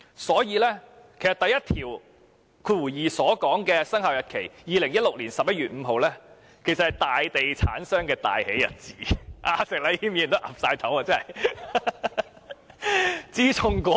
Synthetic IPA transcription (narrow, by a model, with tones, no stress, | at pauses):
sɔː˨˥jiː˨˧lɛː˥ | kʰe˨˩jsɐ˨t̪ɐ˨jɐ˥t̚t̪ʰiː˨˩w | kʰɵ˨˧˥wuː˨˩jiː˨sɔː˨˥kɔː˨˥ŋkɛː˧sɐ˥ŋhaː˨wjɐ˨t̚kʰe˨˩jjiː˨˧lɪ˨˩ŋjɐ˥t̚lʊ˨k̚liː˨˩nsɐ˨p̚jɐ˥t̚ɥyː˨t̚m̩ː˨˧ɦo˨wlɛː˥ | kʰe˨˩jsɐ˨t̚hɐ˨˩jt̪aː˨jt̪e˨jt͡sʰaː˨˥nsœː˥ŋkɛː˧t̪a̰ː˨jhe˨˥jɐ̰˨t̚t͡siː˨˥ʔaː˧sɪ˨k̚laː˧hiː˥mjiː˧˩˨nt̪o˥wʔaː˨˩p̚saː˧jt̪ʰɐ˨˥waː˧t͡sɐ˥ɐ˨˩j | t͡siː˥t͡sʰʊ˧ŋkɔː˨˦